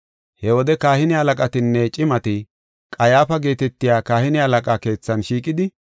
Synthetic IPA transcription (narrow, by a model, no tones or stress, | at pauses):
hɛwɔd̪ɛkaːhɪnɪhɐlɐkʼɐt̪ɪnːɛt͡ʃʼɪmɐt̪ɪ | kʼɐjaːfɐɡe̞ːt̪ɛt̪ːɪjaːkaːhɪnɪhɐlɐkʼaːke̞ːt͡sːɐnʃiːkʼɪd̪ɪ